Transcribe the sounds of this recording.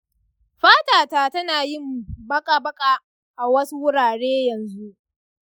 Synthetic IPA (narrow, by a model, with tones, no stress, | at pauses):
ɸaː˦taː˨ta˨tɐ˦naː˨jɪ˦˨mbɐ˦kʼa˨bɐ˦kʼa˦ | ʔa˨wɐ˦su˦wʊ˦ɽaː˨ɽeː˦jɐ˨nzu˦ʔ